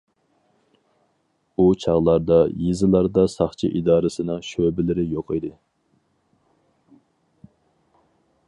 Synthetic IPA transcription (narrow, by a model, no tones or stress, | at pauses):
ut͡ʃʰɑʁlˠɑɾd̪ɑjizɨlˠɑɾd̪ɑsɑχt͡ʃʰḭʔid̪ɑːɾɨsɨnɨŋʃøbɪlɪɾɪjoqid̪ɨ